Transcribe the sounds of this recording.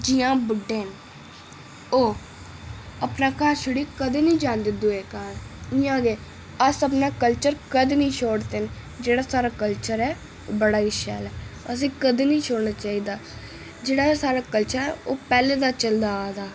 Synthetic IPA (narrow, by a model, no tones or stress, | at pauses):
d͡ʒijãːbəɖːeːn | oː | əpnaːkaːɾʃʊɽiːkəd̪eːnĩːd͡ʒãːnd̪eːd̪ueːkaːɾɪjãːɡ̪eː | əsəpnaːkəlt͡ʃəɾkəd̪eːnĩːʃʰoːɽt̪eːn | d͡ʒeːɽaːsaːɾaːkəlt͡ʃəɾɛː | o̰ːbəɽaːiʃɛ̰ːlɛːəs̬ĩːkəd̪eːnĩːt͡ʃʰoːɽnaːt͡ʃaːiːd̪aː | d͡ʒeːɽaːsaːɾaːkəlt͡ʃəɾɛːoːpɛːleːd̪aːt͡ʃəld̪aːd̪aː